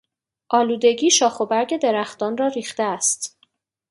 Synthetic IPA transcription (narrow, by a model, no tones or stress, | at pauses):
ʔɒːluːd̪e̞ɡiːʃɒːxo̞bæɾɟe̞d̪e̞ɾæxt̪ɒːnrɒːɾiːxt̪eæst̪